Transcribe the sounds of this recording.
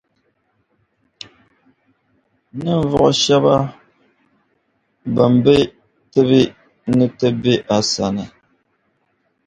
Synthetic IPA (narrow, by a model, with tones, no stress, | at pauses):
nɨ˦ɱ˨vɔ˨ʔɔ˨ʃa˦ba˦ | bə˨m̩˨be˦ | tɛ˦bi˦ | nɨ˦tə˦be˦ʔa˨sa˨nə˨